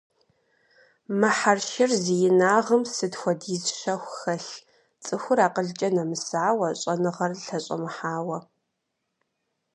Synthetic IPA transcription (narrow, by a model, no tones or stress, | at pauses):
mɨħarʃɪrzijɪnaːʁəmsɨdxʷɔdiːzʃɐxʷxɐɬ | t͡sʼɨxʷʊraːqəɮt͡ʃʼɐnɐmɨsaːwɐɕʼɐnɨʁɐrɬɐɕʼɐ̰mɨħaːwɐ